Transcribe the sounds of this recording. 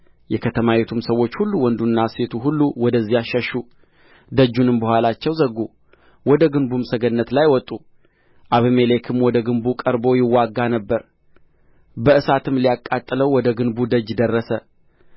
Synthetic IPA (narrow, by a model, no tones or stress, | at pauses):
jɛkʰət̪ʰəmawet̪ʰumsəwːo̞t͡ʃːhulːuwɔnd̪unːase̞t̪ʰuɦulːuwɔd̪əzːijaʃəʃːu | d̪əd͡ʒːunɨmbəhʷalat͡ʃːɛwzəɡːu | wɔd̪əɡɨnbumsəɡənːət̪lajwɔt̪ʼːu | ʔaβimele̞kʰɨmwɔd̪əɡɨnbukʼəɾbo̞jɪwːaɡːanəbːəɾ | bəʔɨsat̪ʰɨmlijakʼːat̪ʼːɨləwwɔd̪əɡɨnbud̪əd͡ʒd̪ərːəsə